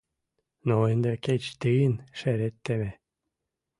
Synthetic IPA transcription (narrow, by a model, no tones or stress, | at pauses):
noend̪eket͡ɕt̪ɨənʃeɾet̪ːeme